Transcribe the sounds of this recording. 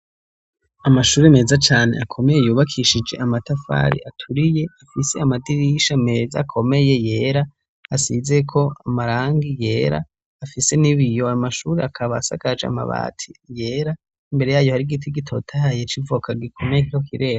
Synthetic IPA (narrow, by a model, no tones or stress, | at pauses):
amaʃuːɾeme̞ːzat͡ʃaːne̞̰akʰo̞me̞jejuːβakʰiʃid͡ʒe̞̰ʔamatafa̰ːɾḭʔatʰuɾije̞afise̞amadiɾiʃame̞ːza̰kʰo̞me̞je̞je̞ːɾa | asize̞kʰo̞amaɾaːŋɡije̞ːɾa̰ː | fise̞niβijo̞amaʃuːɾeakʰaβaːsa̰kad͡ʒa̰ma̰βa̰ːtʰije̞ːɾa | imbe̞ɾe̞jaːjohaɾiɡitʰiɡitʰo̞̰tʰahajet͡ʃivokʰaɡikʰo̞mejekiokʰiɾe̞ːɾa